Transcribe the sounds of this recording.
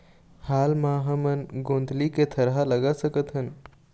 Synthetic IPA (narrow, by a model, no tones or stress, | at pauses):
haːlmãːɦɐmənɡõːnd̪liket̪ʰɐɾɦalɐɡasəkət̪ɦən